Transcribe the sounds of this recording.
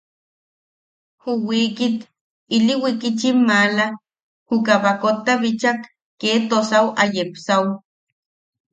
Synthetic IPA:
huwikit̪ | iliwikit͡ʃimːala | hukaβakot̪ːaβit͡ʃakː | eːt̪osawajepsaw

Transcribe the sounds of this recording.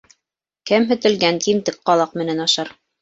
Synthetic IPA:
kɘmɦɵ̆t̪ɘ̆lɡænt̪imt̪ɘk̚qɑlˠɑqmɘ̆nænɑʃɑɾ

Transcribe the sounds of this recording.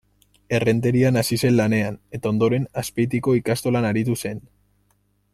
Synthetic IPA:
e̞re̞nt̪e̞ɾianasise̞nlane̞ane̞t̪ao̞nd̪o̞ɾe̞naspe̞jt̪̬iko̞ikast̪o̞lanaɾit̪̬use̞n

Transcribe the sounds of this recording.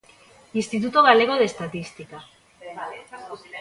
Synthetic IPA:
inst̪it̪ut̪oɣaleɣoðest̪at̪ist̪ika

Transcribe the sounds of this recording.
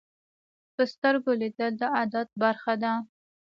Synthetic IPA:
pəst̪əɾɡolid̪əld̪əad̪at̪̚baɾxad̪a

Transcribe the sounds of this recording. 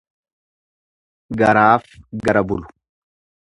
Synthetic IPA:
ɡɐɾaːfɡɐɾɐbʊlʊ̥

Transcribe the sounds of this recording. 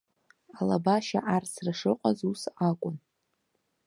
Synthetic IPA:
alabaʃa̰ʔarsrɨʂɨqʼazusakʷʼʊn

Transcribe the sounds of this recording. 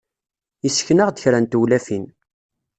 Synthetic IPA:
isə̥çnəʁd̪əçɾænt̪uwlæfin

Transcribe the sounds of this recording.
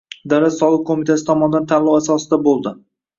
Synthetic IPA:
d̪aɾat̪sɒlˠɪq̚kʰomit̪ʰasɪ̥t̪ʰɒmɒnɪd̪ant̪ʰalˠɒwasɒsɪd̪abolˠd̪ɪ

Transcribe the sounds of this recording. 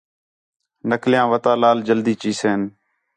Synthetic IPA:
nəkljãːʋət̪aːlaːld͡ʒəld̪iːt͡ʃiːseːn

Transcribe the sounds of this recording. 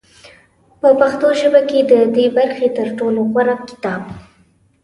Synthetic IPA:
pəpaxt̪oʒəbaked̪əd̪ebaɾxet̪əɾʈoloɣwaɾap̚kɪ̥t̪ɑb̚

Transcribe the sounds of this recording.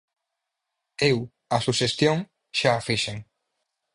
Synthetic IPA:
ew | asuʃest̪joŋ | ʃaːfiʃeŋ

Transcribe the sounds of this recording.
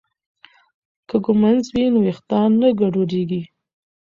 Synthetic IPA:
kəɡʊmanzwinowext̪ɑnːəɡaɖoɖeɡi

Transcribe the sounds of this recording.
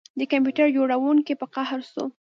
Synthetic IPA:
d̪əkamp̬juʈaɾd͡ʒoɽawuŋkepəqahɾso̰

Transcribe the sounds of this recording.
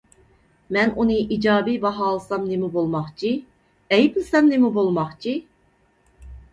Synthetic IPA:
mɛnunɨʔid͡ʒɑːbibɑɦɑːlˠɨsɑmnemubolˠmɑχt͡ʃʰi | ɛjpʰilˠsɛmnemubolˠmɑχt͡ʃʰi

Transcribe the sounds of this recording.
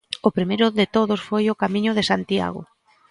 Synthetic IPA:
ʊpɾimejɾʊðɪt̪oðʊsfojʊkamĩɲʊðɪsant̪ia̰ɣʊ̰

